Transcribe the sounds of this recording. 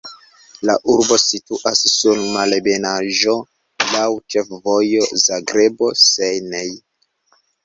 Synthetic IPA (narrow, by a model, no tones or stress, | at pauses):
la̰ʔuɾbo̞situʔasːunmalebe̞naʒo̞ | lawt͡ʃe̞fvo̞jo̞zaɡɾe̞bo̞sejnej